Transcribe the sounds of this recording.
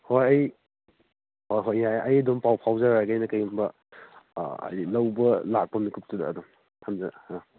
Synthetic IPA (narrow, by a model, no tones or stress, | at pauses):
hojɐj | hojɦojːajʔɐjɐdɔmpawpʰawzaɾaɡajnɐkɐjumbɐ̰ | ɐ̰jlɐwbɐlak̚pɐmikʰup̚tuda̰ːdɔm | tʰamzaa